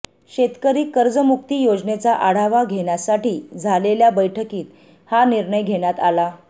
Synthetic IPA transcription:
ɕet̪kəɾiːkəɾd͡zəmuk̚t̪iːjod͡znet͡saʔaɽ̤aʋaɡʱeɽjasaʈiːd͡zʱaleljabəjʈʰəkiːt̪ | haniɾɳəjɡʱeɽjat̪ala

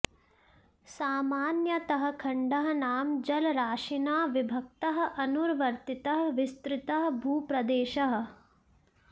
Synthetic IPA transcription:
saːmaːnjɐt̪ɐɦɐ̆kʰɐɳɖɐɦɐ̆naːmd͡ʒɐlɾaːʃinaːʋibʱɐk̚t̪ɐɦɐ̆ʔɐnuɾʋɐɾt̪it̪ɐɦɐ̆ʋist̪ɾɪt̪ɐɦɐ̆bʱuːpɾɐd̪eːʃɐɦɐ̆

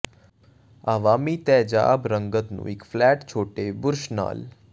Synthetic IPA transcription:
aʋamit̪ɛd͡ʒa̰bɾəŋɡət̪nṵ̃ekflɛʈt͡ʃʰoʈebʊɾʃna̰ːl

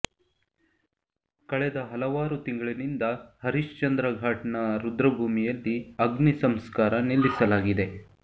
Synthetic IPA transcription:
kɐɭɛd̪ɐɦɐlɐʋaːɾut̪iŋɡɐɭɐnind̪ɐhɐɾiʃt͡ʃɐnd̪ɾɐɡʱaːʈɐnɐɾud̪ɾɐbʱuːmijɐlːiɐɡnisɐmskaːɾɐnilːisɐlaːɡid̪e̞

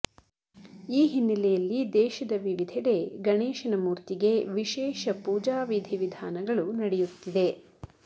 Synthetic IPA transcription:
iːɦinːɐlɛjɐlːid̪ɛːʃɐd̪ɐʋiʋid̪ʱɛɽe̞ɡɐneːʃɐnɐmuːɾt̪iɡe̞ʋiʃɛːʃɐpuːd͡ʒaːʋid̪ʱiʋid̪ʱaːnɐɡɐɭunɐɽɛjut̪ːid̪e̞

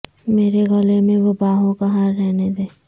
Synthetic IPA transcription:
meːɾeɣɐlemẽʋobaːɦõkaɦaːɾːɛɦned̪eː

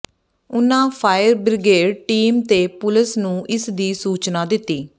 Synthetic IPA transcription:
ʊnːãːpʰaːjəɾbɾɪɡeːɖʈiːmt̪eːpʊləsnũːʔɪsd̪iːsuːt͡ʃnãːd̪ɪt̪ːiː

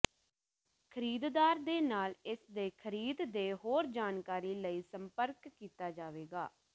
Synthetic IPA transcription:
kʰəɾiːd̪d̪aːɾd̪eːnaːlɪsd̪eːkʰəɾiːd̪d̪eːɦoːɾd͡ʒaːnkaːɾiːləiːsəmpəɾkːiːt̪aːd͡ʒaːʋeːɡa̰ː

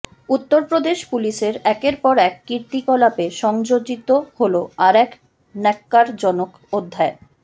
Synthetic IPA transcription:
ut̪ːoɾpɾod̪eʃpuliʃeɾɛkeɾpɔɾɛkːiɾt̪ikɔlapeʃɔŋd͡ʑod͡ʑit̪oholoaɾɛk | nɛkːaɾd͡ʑɔnok | od̪ʱːae

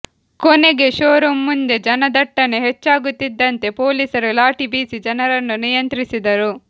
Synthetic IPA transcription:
kone̞ɡe̞ʃoːɾumːund̪e̞d͡ʒɐnɐd̪ɐʈːɐne̞ɦet͡ʃːaːɡut̪ːid̪ːɐnt̪e̞po̞ːliːsɐɾulaːʈibiːsid͡ʒɐnɐɾɐnːunijɐnt̪ɾisid̪ɐɾu

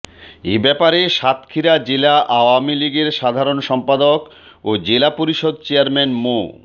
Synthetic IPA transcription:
ebɛpaɾeʃat̪kʰiɾad͡ʑelaʔaoamiliɡeɾʃad̪ʱaɾonʃɔmpad̪ok | od͡ʑelapoɾiʃod̪̚t͡ɕeaɾmɛnmo

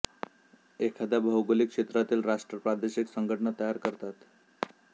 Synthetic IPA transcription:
ekʰad̪abʱəwɡolikʂet̪ɾat̪iːlɾaʂʈɾəpɾad̪eɕiksəŋɡʱəʈəɳət̪əjaɾkəɾt̪at̪

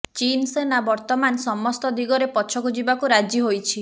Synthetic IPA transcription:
t͡ʃinsenabɔɾt̪ɔmansɔmɔst̪ɔd̪iɡɔɾepɔt͡ʃʰɔɡud͡ʒibakuɾad͡ʒiɦojt͡ʃʰi

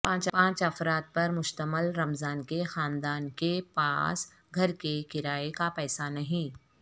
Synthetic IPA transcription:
pãːt͡ʃpãːt͡ʃɐfɾaːt̪̚pɐɾmʊʃt̪əməlɾɐmzaːnkexaːnd̪aːnkepa̰ːs | ɡʱɐɾkekɪɾaːekapɛːsanɐɦĩː

